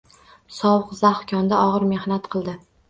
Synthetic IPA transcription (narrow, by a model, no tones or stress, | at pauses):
sɒwɨqzaχkʲʰɒnd̪aɒʁɨɾme̞hnat̪qʰɨlˠd̪ɪ